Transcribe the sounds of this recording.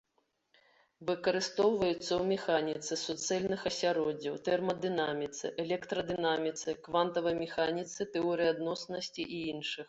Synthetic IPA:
vɨkɐɾɨst̪ɔwvɐjut̪sːɐwmʲɛxanʲit̪sɨsut̪sɛlʲnɨxɐsʲaɾɔd͡zʲːɐwt̪ɛrmɐd̪ɨnamʲit̪sɨ̰ʔɛlʲɛkt̪ɾɐd̪ɨnamʲit̪sɨkvant̪ɐvɐjmʲɛxanʲit̪sɨt̪ɛɔɾɨjad̪nɔsnɐsʲt͡sʲiʔiinʂɨx

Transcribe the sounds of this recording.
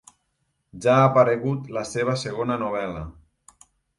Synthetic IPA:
ʒaːpaɾeɣut̪ləseβ̞əseɣ̞onənuβ̞ɛlə

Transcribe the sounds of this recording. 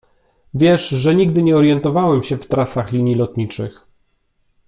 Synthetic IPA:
vʲjɛʂʐɛɲiɡd̪ɘɲɛɔɾjɛnt̪ɔvawɛmɕɛft̪ɾasaxlʲiɲilɔt̪ɲit͡ʂɘx

